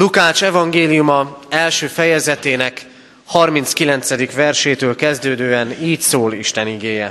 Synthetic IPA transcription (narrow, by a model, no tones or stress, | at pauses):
lukaːʃɛvɒŋɡeːlijumɒɛlʃøːfɛjɛzɛt̪eːnɛk | hɒrmint̪skilɛnt̪sɛd̪ikʋɛrʃeːt̪øːlkɛzd̪øːd̪øːɛniːcsoːliʃt̪ɛniɡeːjɛ